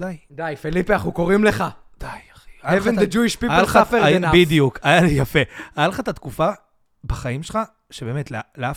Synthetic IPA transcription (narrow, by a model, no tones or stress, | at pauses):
d̪ajd̪ajfelipiaχukoʁimleχa | d̪̥ajaχaevended͡ʒuiʃpipaaalafeanbid̪ijukajalijafeajalχat̪at̪kufa | baχajimʃelχa | ʃebe̞ːmetleleaf